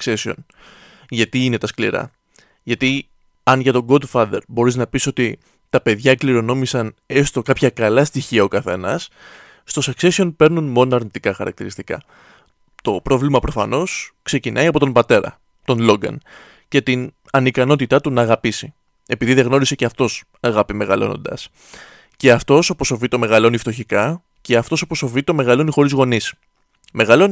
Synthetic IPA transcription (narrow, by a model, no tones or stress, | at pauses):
ksesio̞̰n | ʝɐt̪iine̞t̪ɐsklḭɾɐ̰ | ʝɐt̪i | ɐnʝɐt̪o̞ɡod̪fɐðe̞̰ɾbo̞ɾiznɐpiso̞t̪i | t̪ɐpe̞ðʝɐkliɾo̞no̞misɐnest̪o̞kɐpçɐkɐlɐst̪içiɐokɐθe̞nɐ̰sː | t̪o̞sɐkse̞sio̞npe̞ɾnunmo̞noɐɾnit̪ikɐxɐɾɐ̰k̚t̪iɾist̪ikɐ̰ | t̪o̞pɾo̞vlimɐpɾo̞fɐno̞skse̞cinʔɐiɐpo̞t̪o̞mbɐt̪e̞ɾɐ̰ | t̪o̞nlo̞ɡɐ̰n | ce̞t̪in | ɐnikɐno̞t̪it̪ɐt̪unɐːɣɐpisi | e̞piðiðe̞ɣno̞ɾise̞ceɐft̪o̞s | ɐɣɐpime̞ɣɐlo̞̰no̞̰nd̪ɐ̰s | ce̞ɐft̪o̞soposovit̪o̞me̞ɣɐlonift̪o̞çikɐ | ce̞ɐft̪osopo̞so̞vit̪o̞me̞ɣɐlo̞nixo̞ɾizɣo̞nis | me̞ɣɐlo̞n